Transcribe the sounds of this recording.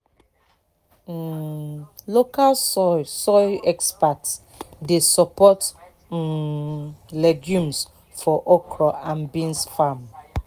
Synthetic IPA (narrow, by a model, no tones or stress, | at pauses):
lokalsɔɛkspats | desɔpɔt̩ | leɡjũms | fɔʔɔkɾɔʔãnbĩnsfam